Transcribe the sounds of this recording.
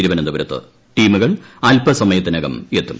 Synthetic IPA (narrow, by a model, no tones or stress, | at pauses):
iɾiʋɐnɐnd̪ɐʋɐɾɐt̪ːɨ̰ | ʈiːmuɣɐɭɐlpɐsɐmɐjɐt̪ːinɐɣɐme̞t̪ːum